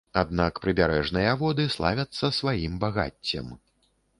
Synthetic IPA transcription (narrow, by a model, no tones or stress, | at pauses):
ad̪̚nakpɾɨbʲaɾɛʐnɨjɐvɔd̪ɨslˠavʲɐt̪sːɐsvajimbaɣa̰t͡sʲːɐ̰m